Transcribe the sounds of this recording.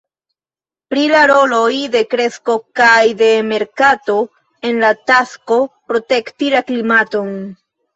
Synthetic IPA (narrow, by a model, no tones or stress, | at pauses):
pɾilaɾo̞lo̞jde̞kɾe̞sko̞kajde̞me̞ɾkato̞ | e̞nlatasko̞pɾo̞tektilaklimato̞n